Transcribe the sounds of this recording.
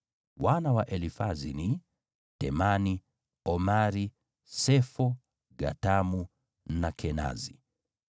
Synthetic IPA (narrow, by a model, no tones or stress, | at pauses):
wanawaʔɛlifazini | tɛmani | ɔmaɾi | sɛfɔ | ɡa̰tamu | nakʰɛna̰zi